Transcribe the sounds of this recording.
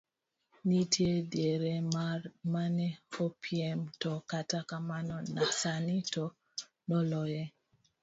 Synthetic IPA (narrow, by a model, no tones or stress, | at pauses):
nitʰjedjeɾemanɛopʰiɛmtɔkatakamanɔnasanitɔ | nɔlɔjɛ